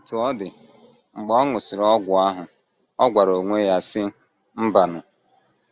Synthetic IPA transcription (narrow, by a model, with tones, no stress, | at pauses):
tu˨ɔ˦dɪ˨ | ŋ͡m̩˨ɡ͡bɔ˦ɔ˦ŋʊ˨sɪ˨ɾɔ˦ɡʷʊ˨a˦ɦʊ˨ | ɔ˦ɡʷa˨ɾo˨ŋʷe˦ja˦sɪ˦ | m̩˦ba˨nʊ˨